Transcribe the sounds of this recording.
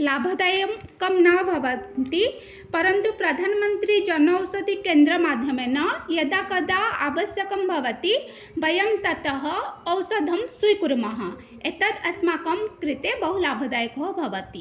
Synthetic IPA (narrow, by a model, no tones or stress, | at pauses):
laːbʱɐd̪ajmkɐmnabʱɐʋɐt̪i | pɐɾɐnt̪upɾɐd̪ʱaːnmɐnt̪ɾid͡ʒɐnɐwsɐd̪ʱikeːnd̪ɾɐmaːd̪ʱjɐmenɐjɐd̪akɐd̪aaːʋɐsjɐkɐmbʱɐʋɐt̪i | bɐjɐmt̪ɐt̪ɐɦɐːwsɐd̪ʱɐmsujkuɾmɐɦɐ | et̪ɐt̪ɐsmaːkɐmkɾit̪ebɐɦulaːbʱɐd̪aːjkɐɦɐbʱɐʋɐt̪i